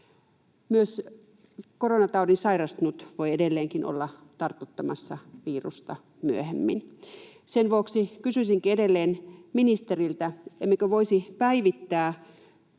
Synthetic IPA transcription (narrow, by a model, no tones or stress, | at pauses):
myøs | koronɑt̪ɑudinsɑirɑst̪nut̪ʋoiedelːeːŋkinʔo̰lːɑt̪ɑrt̪ːut̪ːɑmɑsːɑʋiːrust̪ɑ | myøhemːḭn | senʋuoksikysysiŋkiedelːeːnminist̪erilt̪æemːekøʋoisipæiʋit̪ːæː